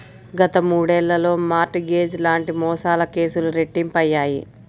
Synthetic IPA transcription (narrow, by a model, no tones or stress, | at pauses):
ɡɐt̪ɐmuːɽɛːlːɐlo̞ːmaːɾʈɡe̞ːd͡ʒlaːɳʈimɔːsaːlɐke̞ːsuluɾe̞ʈːimpɐjːaːjḭ